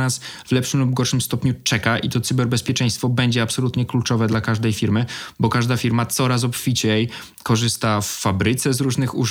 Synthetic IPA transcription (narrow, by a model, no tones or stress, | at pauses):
asvlɛpʂɘmlubɡɔɾʂɘmst̪ɔpɲut͡ʂɛkaʔit̪ɔt̪sɘbɛɾbɛspʲjɛt͡ʂɛ̃j̃st̪fɔbɛɲd͡ʑɛapsɔlut̪ɲɛklut͡ʂɔvɛd̪lakaʐd̪ɛjfʲiɾmɘbɔkaʐd̪afʲiɾmat̪sɔɾas̬ɔpfʲit͡ɕɛj | kɔʐɘst̪afːabɾɘt̪sɛzɾuʐnɘxu